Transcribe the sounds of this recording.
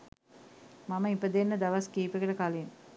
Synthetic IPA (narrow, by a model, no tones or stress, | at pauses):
maməipəd̪enːəd̪ɐʋɐskiːpekəʈəkalin